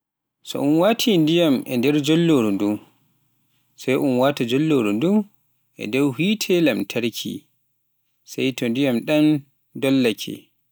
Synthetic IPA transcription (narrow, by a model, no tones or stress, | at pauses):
sɔ̰ʔunwaːtʰindijamɛ̰ndɛɾd͡ʒɔlːoɾundum | sajʔunwaːtad͡ʒɔlːoɾundum | ʔɛ̰dɔwhitʰɛlamtʰaɾkʰḭ | sajtɔndijamɗan | dɔlːakʰɛ̰